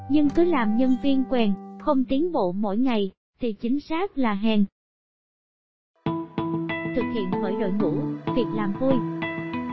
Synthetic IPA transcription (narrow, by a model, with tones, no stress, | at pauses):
ɲɨ˧ŋkɨ˨˦laː˨˩mɲə˧nvi˧ənkwɛ˨˩nxə˧wŋ͡mt̪i˨˦ənɓo̰˧˨mo̰˧˥˨jŋa˨˩j | t̪ʰi˨˩t͡ɕï˨˦ŋ̟saː˦˥k̚laː˨˩ɦɛ˨˩ŋ | t̪ʰɨ˨˩k̚hḭ˧˨ənɓəː˧˩jɗo̰˧˨jŋṵ˧˩vʰi˨˩ək̚laː˨˩mvu˧j